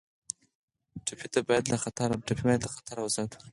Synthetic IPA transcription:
ʈapʰit̪abɑjad̪laxat̪aɾaʈ͡ʂapʰibajad̪laxḁt̪ʰaɾawzad̪

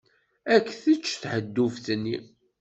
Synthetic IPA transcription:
ækːθət͡ʃːθħəd̪ːufθnːi

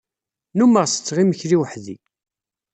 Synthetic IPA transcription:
numəʁsə̥t͡sːʁiməçɾiwħði

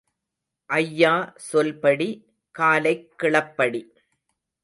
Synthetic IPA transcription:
ʔɐjːaːsɔlpɐɽi | kaːlɐɪkːɪɭɐpːɐɽi

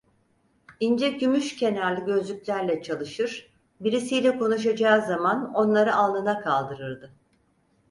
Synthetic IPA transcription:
ind͡ʒɛɟymyʃcʰe̞naɾlʲiɟø̞zlʲycʲlʲæɾlʲɛt͡ʃʰalˠɯʃɯɾ̥ | biɾisijlʲɛko̞nuʃ̬ad͡ʒaːzamano̞nlˠaɾɯalˠd̪ɯnakʰalˠd̪ɯɾɯɾd̪ɯ

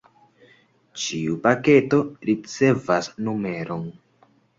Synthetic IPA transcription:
t͡ʃiupake̞to̞ɾit͡se̞vasnume̞ɾo̞n

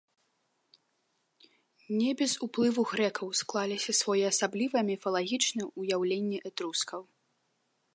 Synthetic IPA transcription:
nʲɛbʲɛzuplˠɨvuɣɾɛkʰɐwsklˠalʲisʲɐsvɔjɛɐsablʲivɐmʲɛfɐlˠaɣʲit͡ʂnɐujawlʲenʲːɛʔɛt̪ɾuskɐw

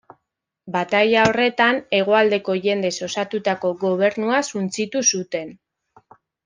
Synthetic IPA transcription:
bat̪ajao̞re̞t̪ane̞ɣ̞o̞ald̪e̞ko̞ʝe̞nd̪e̞so̞sat̪ut̪ako̞ɣo̞β̞e̞ɾnuasunt͡sit̪usut̪e̞n

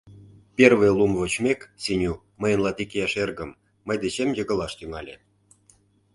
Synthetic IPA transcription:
pʲervĕjlˠumvot͡ɕmʲeksinʲu | məjə̆nlˠɑt̪ikejɑʃerɣə̆mː | əjd̪et͡ɕemjə̆ɣə̆lɑʃt̪yŋɑlʲe

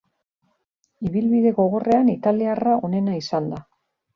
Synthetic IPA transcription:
iβilβiðe̞ɣo̞ɣ̞o̞re̞anit̪aliarao̞ne̞naisand̪a

